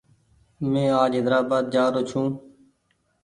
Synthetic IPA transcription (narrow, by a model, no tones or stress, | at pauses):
mẽːaːd͡ʒɦɪd̪ɾaːbaːd̪̚d͡ʒaːɾoːt͡ʃʰũː